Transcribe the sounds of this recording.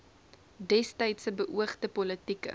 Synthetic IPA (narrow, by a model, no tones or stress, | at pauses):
dɛstɐjtsəbəʔuəχtəpɔlətikə̰